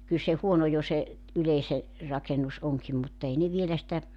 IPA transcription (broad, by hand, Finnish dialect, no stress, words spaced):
kyl se huono jo se yleise rɑkenus oŋkim mutː ei ne ʋielæ sitæ